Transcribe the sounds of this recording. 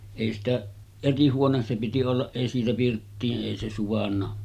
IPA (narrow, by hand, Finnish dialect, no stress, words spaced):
eˑi sitæ eri huones se piti olːɑʔ ʔeˑi siːtæ pirtːiːʔ ʔeˑi se suʋɑnːɑ